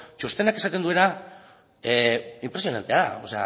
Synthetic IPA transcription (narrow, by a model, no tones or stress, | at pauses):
t͡ʃost̪e̞nake̞sat̪e̞nd̪ue̞na | impɾesijo̞na̰nt̪eaosea̰